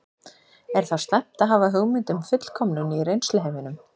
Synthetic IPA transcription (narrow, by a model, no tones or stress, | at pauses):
ɛɾ̥θast̪ɛm̥t̪aɦaːvaɦœːɣmɪnt̪ʏmfʏt̪l̥kʰɔmnʏnirejnslɪɦeːvɪnʏm